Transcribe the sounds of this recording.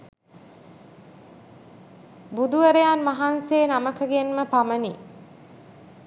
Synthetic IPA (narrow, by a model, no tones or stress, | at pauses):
bud̪uʋəɾəjanmaɦanseːnaməkəɡenməpamənḭ